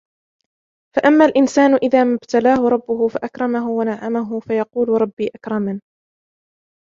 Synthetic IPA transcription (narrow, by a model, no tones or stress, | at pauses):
faʔamːaːlʔɪnsaːnʊʔɪðaːmabt̪alaːhʊɾˤɑbːʊhʊfaʔakɾˤɑmaɦʊwanaʕamaɦʊfajɑquːlʊɾˤɑbːiːʔakɾˤɑman